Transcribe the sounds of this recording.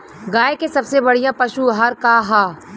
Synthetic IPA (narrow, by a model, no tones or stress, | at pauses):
ɡaːekesɐbsebɐɽijãpɐʃuɦaːɾkaɦaː